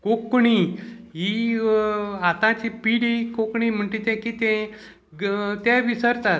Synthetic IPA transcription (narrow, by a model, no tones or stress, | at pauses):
kokɳiɦi | at̪ãt͡ɕipiɽikokɳim̤əɳʈ̪ĩt̪ɛ̃kit̪ɛ̃ | t̪ɛ̃ʋisəɾt̪at̪